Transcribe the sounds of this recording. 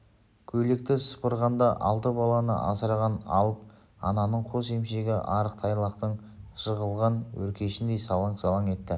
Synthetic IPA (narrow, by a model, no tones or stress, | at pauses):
kʲʰɵlɪk̚t̪ɪsʊ̥pəɾʁɑnd̪ɑʔɑ̰lˠt̪əbɑlˠɑnə̰ʔɑ̰səɾʁɑnɑ̰wˠət̪ | ɑ̰nɑnəɴqʰose̞mʃe̞ɡʲɪʔɑɾəq̚t̪ʰɑjlˠɑqt̪əɴ | ʒ̥əʁəlˠʁɑnwɵ̰ɾkʲe̞ʃɪnd̪e̞jsɑlˠɑɴqsɑlˠɑŋe̞t̪ːɪ